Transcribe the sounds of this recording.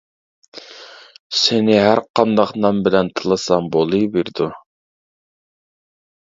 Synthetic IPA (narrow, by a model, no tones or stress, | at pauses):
senɪɦæɾqʰɑnd̪ɑqnɑmbɪlɛnt̪ʰɨlˠɨsɑmbolˠɨbeɾd̪u